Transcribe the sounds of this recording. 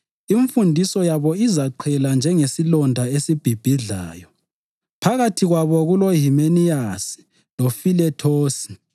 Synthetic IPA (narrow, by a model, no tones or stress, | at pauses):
iɱfundʱisɔjaβɔizaǃʰɛland͡ʒʱɛŋesilɔndʱaesib̥ʱib̥ʱiɮa̰ːjɔ | pʰaɣatʰiɣwaβɔɣuloɦimenijasi̥ | lofilɛtʰoːsi̥